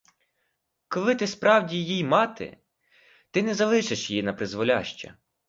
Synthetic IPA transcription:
kɔlˠɪt̪ɪspɾʔɑwdʲijijmɑt̪ɪ̰ | t̪ɪnɛzɐlˠɪʃeʃjjinɐpɾɪzʋɔlʲɑ̰ʃt͡ʃɐ̰

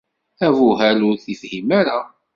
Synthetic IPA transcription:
ævʊɦæɾʊɾθifhimæɾa

